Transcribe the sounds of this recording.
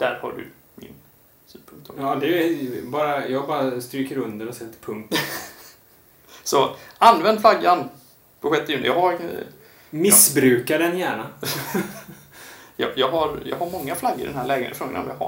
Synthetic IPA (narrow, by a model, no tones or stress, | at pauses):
d̪̥æɾha̰ɖɵ̰ | mɪ̰n | syːd̪pʰɵŋk̚t̪ʰɔɑːd̪ɛjɛbɑːɾajɑːɡbɑːɾast̪ɾyːkəɾɵnd̪əɾɔsɛlt̪ːəpʰɵŋt̪ | sɔanːvɛnd̪flaɡan | pʰɔɧɛt̪ːɪjʉnə̰jɑha | mɪsbɾʉ̟ːkaɖɛnjæːɳa | jɑ̰jɑːɡɦaɾjɑ̰ɡɦaɾmɔŋːaflaɡːəɾɪd̪ɛ̰nhæɭɛːɡənḛfɾɔːɡəna̰ɔ̰mja̰ha̰